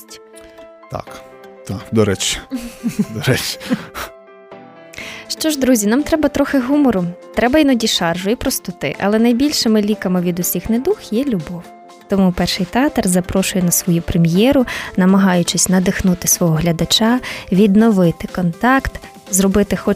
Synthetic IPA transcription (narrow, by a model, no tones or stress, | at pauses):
sʲtʲ | t̪a̰k | t̪akd̪ɔɾɛt͡ʃ | d̪ɔɾɛt͡ʃ | ʃt͡ʃɔʒd̪ɾuzʲinɑmt̪ɾɛbɐt̪ɾɔxɪɦumɔɾʊt̪ɾɛbɐinɔdʲiʃɑrʒʊipɾɔst̪ʊt̪ɪ̰ʔɐ̰lˠɛnɐjbʲilʲʃɪmɪlʲikɐmɪʋʲid̪ʊsʲixnɛd̪uxjɛlʲʊbɔw | t̪ɔmupɛrʃɪjt̪eɑt̪rzɐpɾɔʃʊjɛnɐsʋɔjupɾemʲjɛɾʊnɐmɐɦɑjʊt͡ʃɪsʲnɐd̪ɪxnut̪ɪsʋɔɦɔɦlʲɐd̪ɐt͡ʃɑʋʲid̪nɔʋɪt̪ɪkɔnt̪ɑkt̪ | zrɔbɪt̪ɪxɔ